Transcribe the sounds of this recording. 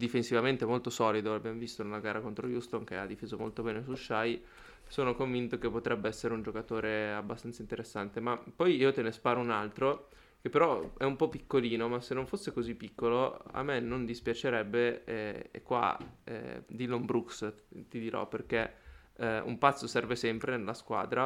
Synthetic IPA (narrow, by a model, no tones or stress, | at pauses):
d̪ifensivament̪emolt̪osɔːlid̪oabjamvist̪onelaɡaːɾakont̪ɾojust̪oŋk̟ea̰d̪ːifeːzomolt̪obɛːnesuʃaj | soːnokoɱvint̪okepːot̪ɾɛbːeɛsːeɾeund͡ʒokat̪oːɾeabːast̪ant̪saint̪eɾesːant̪emapːɔjiːot̪enespaːɾounalt̪ɾo | kepːeɾɔɛumpɔpːikːoliːnomasenːõɱfosːekozipːikːoloa̰mːenond̪ispjat͡ʃeɾɛbːeɛḛkːwa̰ɛ̰d̪ilombɾukst̪id̪iɾɔ̰perke | ṵmpat̪sːosɛrvesɛmpɾenelːaskwa̰ːd̪ɾa